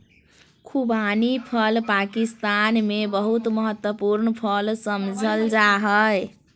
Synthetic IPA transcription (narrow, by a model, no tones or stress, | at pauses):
kʰubanipʰəlpakist̪anmebəɦut̪məɦət̪wəpuɾnəpʰəlsəmd͡ʒʱəld͡ʒaɦəj